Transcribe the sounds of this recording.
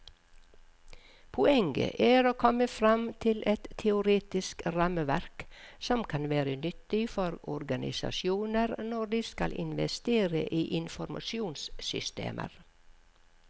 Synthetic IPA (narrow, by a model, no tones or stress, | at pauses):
pʰʊɛŋɡə̰ʔæːɾoːkʰɔməfɾɑmt̪ʰɪlʔɛt̪tʰːɛʊɾeːt̪ɪskɾɑməʋæɾksɔmkʰɑnʋæːɾənʏt̪ːɪfɔɾɔɾɡɑnɪ̰sɑ̰ʃjuːnəɾnɔd̪iːskɑlʔɪnʋɛst̪eːɾə̰ʔiːʔɪnfɔɾmʔɑ̰ʃjuːnssʏst̪ḛːmʔə̰ɾ